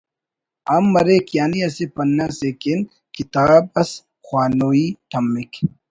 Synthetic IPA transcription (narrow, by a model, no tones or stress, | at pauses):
ɐmːɐɾekjaːniɐsepɐnːasekin | kit̪aːb̚ɐs | xwaːnoiːt̪ʰɐmːik